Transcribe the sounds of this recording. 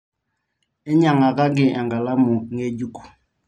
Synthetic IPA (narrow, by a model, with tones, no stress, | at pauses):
ɛ˦ɲa˨ŋa˨ka˦ɡɪ˨ʔa˨ŋɡa˨la˦mu˨ŋe˦d͡ʒu˦ku̥˨